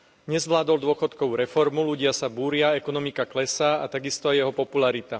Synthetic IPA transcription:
ɲɛzʋlaːd̪ɔld̪ʊɔxɔt̪kɔʊɾɛfɔɾmuluɟɪasabuːɾɪaɛkɔnɔmikaklɛsaːat̪aɡist̪ɔajɛɦɔpɔpulaɾit̪a

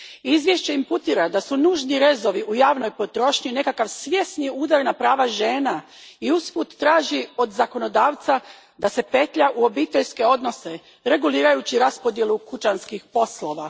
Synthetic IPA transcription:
izʋje̞ʃt͡ɕeimput̪iːɾad̪asunuːʒniɾe̞zo̞ʋiʔujaːʋno̞jpo̞t̪ɾo̞ʃɲine̞kakaʋsʋje̞sniuːd̪aɾnapɾaːʋaʒe̞ːna | iusput̪ːɾaːʒio̞d̪zako̞no̞d̪aːʋt̪sa | d̪ase̞pe̞t̪ʎaʔuo̞bit̪eʎske̞o̞d̪no̞se̞ | ɾe̞ɡuliːɾajut͡ɕiɾaspo̞d̪je̞lˠukut͡ʃanskixpo̞slo̞ʋa

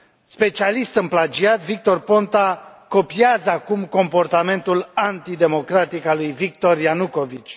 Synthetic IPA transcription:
spe̞t͡ʃialist̪ɨmplad͡ʒiat̪vik̚t̪o̞rpo̞nt̪ako̞piazəakumko̞mpo̞rt̪ame̞nt̪ulant̪id̪e̞mo̞kɾat̪ikalujvik̚t̪o̞rjanuko̞vit͡ʃʲ

